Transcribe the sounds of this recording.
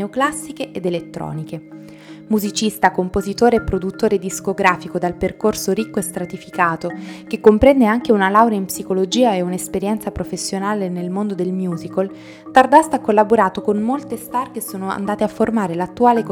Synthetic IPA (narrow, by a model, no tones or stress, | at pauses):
eoklasːikeʔed̪elet̪ːɾɔ̰ːnike | muzit͡ʃist̪akompozit̪oːɾeepːɾod̪ut̪ːoːɾed̪iskoɡɾaːfikod̪alperkorsoɾikːoest̪ɾat̪ifikaːt̪ok̟ekːompɾɛnd̪eaŋk̟eunalawɾjaimpsikolod͡ʒiːaeunespeɾjɛnt̪sapɾofesːjonaːlenelmond̪od̪elmjuːzikol | t̪ard̪ast̪akːolːaboɾaːt̪okonmolt̪est̪arkesoːnoa̰nd̪aːt̪eafːormaːɾelat̪ːuaːlek